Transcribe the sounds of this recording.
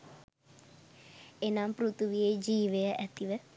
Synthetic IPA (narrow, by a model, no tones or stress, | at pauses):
enampɾut̪uʋijed͡ʒiːʋejəʔæt̪iʋə